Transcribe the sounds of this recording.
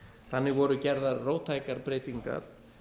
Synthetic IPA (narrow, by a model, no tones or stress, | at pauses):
θanːɪɣvɔɾʏcɛɾðaɾroːwt̪ʰaːjkaɾpɾeːjt̪iŋka̰ɾ̥